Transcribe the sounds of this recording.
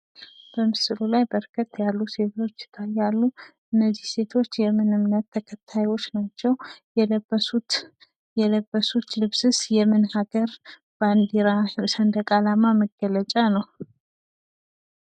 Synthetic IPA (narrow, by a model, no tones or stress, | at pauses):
b̥əmɨsɨlulajbəɾkʰət̪ːjalːuse̞t̪ʰo̞t͡ʃːɪ̥t̪ʰajːalːuʔɨnːəzːihse̞t̪ʰo̞t͡ʃːjɛmɨnɨmnət̪ʰːəkʰət̪ʰːajwo̞t͡ʃːnat͡ʃːɛwjɛləbːəsut̪ | jɛləbːəsut̪lɨβsɨsjɛmɨnhaɡəɾ | band̪iɾasənd̪əkʼalamaməɡːələt͡ʃʼanəw